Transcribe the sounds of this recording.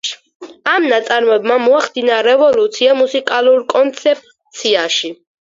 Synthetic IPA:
amnat̪sʼaɾmɔɛbmamɔaχd̪inaɾɛvɔlut̪sʰiamusikʼaluɾkʼɔnt̪sʰɛp̚ʼ | t̪sʰiaʃi

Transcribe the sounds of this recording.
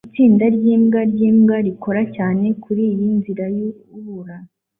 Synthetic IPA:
it͡siːndaɾɟiːmɡaɾɟiːmɡaɾikʰo̞ɾacaːne̞kʰuɾiːjinziɾaju | uβuɾana

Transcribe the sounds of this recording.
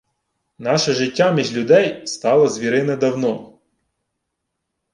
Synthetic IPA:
nɑʃɐʒɪtʲːamʲiʒlʲʊd̪ɛjst̪ɑlˠɐzʲʋʲiɾɪnɛd̪ɐwnɔ

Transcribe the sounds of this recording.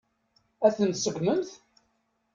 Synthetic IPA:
æθənt̪səɡʷnənθ

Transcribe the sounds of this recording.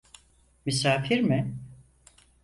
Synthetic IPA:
mysaːfiɾmɪ

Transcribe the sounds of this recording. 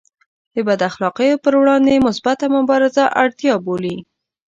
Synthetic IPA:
d̪̥əbad̪axlɑqəjopəɾwɽɑnd̪emʊsbat̪amʊbɑɾɪzaʔaɽt̪jɑboli

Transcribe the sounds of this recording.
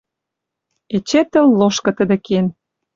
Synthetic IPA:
et͡ɕet̪ə̆lːoʃkɤ̆t̪ə̆d̪ĕken

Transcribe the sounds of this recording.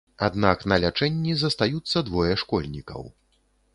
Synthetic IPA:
ad̪naknɐlʲat͡ʂɛnʲːizɐst̪ajut̪sːɐd̪vɔjɛʂkɔlʲnʲikɐ̰w

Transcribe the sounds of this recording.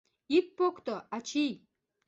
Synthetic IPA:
ik̚pokt̪oat͡ɕij

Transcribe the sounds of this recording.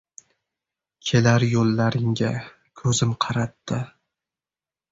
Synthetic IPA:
kʲʰelaɾjolˠːaɾɪŋɡʲa | kʰɵzɪmqʰɑɾat̪ːɪ

